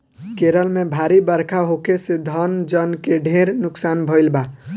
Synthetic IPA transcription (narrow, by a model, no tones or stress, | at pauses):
keɾəlmebʱaɾibəɾkʰaɦokesed̪ʱənd͡ʒənkeɖʱẽɾnʊksanbʱəɪlba